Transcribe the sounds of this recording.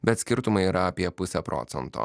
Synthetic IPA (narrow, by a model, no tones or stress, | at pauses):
bʲɛt̪sʲkʲɪɾt̪ʊmɐɪiːɾɐɐpʲiɛpʊsʲɛpɾʔɔ̰ːt̪sʲɛnt̪o̰ː